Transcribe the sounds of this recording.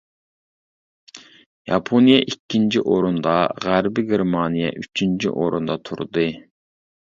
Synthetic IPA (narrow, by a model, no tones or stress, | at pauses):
jɑpʰonijɛʔikʲʰːint͡ʃʰiʔoɾund̪ɑʁæɾbɪɡʲeɾmɑnijɛ̰ʔyt͡ʃʰint͡ʃʰḭʔoɾṵnd̪ɑt̪ʰṵɾd̪ɨ